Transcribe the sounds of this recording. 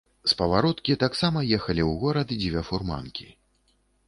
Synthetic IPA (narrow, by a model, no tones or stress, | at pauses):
spɐvaɾɔt̪kʲit̪aksamɐjɛxɐlʲiwɣɔɾɐd̪ɨd͡zʲvʲafurma̰nkʲi